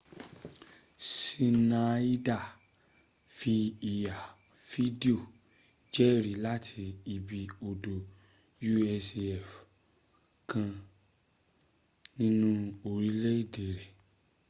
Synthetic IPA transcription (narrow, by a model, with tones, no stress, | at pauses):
si˧na˨i˦da˦˨ | fi˧i˨ja˨ | fi˦di˦o˦˨ | d͡ʒɛ˦ɾi˨la˦tʰi˧i˧bi˨o˨do˨ | ju˦ɛ˧sɛ˦˨f | kã˧ | nĩ˦nũ˦o˧ɾi˦le˦i˦˨de˨ɾɛ˨